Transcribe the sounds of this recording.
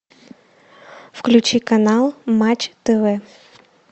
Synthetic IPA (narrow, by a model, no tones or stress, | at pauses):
fklʲʉt͡ɕikɐnalˠmat͡ɕt̪ɛvɛ